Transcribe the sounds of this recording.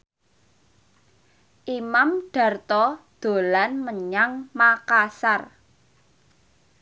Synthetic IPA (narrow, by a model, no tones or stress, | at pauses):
ʔimamɖ̥a̤rt̪ɔd̪̥o̤lanməɲaŋmakasar